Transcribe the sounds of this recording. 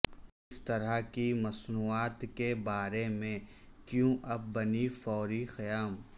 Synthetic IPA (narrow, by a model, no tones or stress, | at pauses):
ɪst̪ɐɾaɦkimɐsnuːaːt̪kebaːɾemẽkjũʔɐb̚ːɐnifɔːɾixɐjaːm